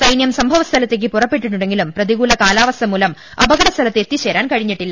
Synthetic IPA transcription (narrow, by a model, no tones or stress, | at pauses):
sɐjnjɐmsɐmbʱɐʋɐst̪ʰɐlɐt̪ːek̬ːipurɐpːeʈːiʈːuɳɽeŋɡilumprɐðiɣuːlɐkaːlaːʋɐst̪ʰɐmuːlɐm | ɐbɐɣɐɽɐst̪ʰɐlɐt̪ːet̪ːiɕeːɾaːnkɐɻiɲːiʈːilːɐ